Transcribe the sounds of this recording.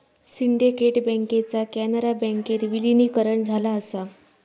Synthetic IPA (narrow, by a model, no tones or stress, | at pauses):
siɳɖekeʈbɛ̃ŋket͡sakænəɾabɛ̃ŋket̪ʋilinikəɾəɳd͡zʱalaəsa